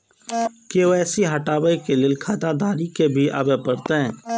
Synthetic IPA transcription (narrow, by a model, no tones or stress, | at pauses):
keoɛːsiɦɐʈaːbəikelɪlkʰaːt̪ad̪aːɾikebʱiʔa̰bepəɾt̪eɦɛ̃ː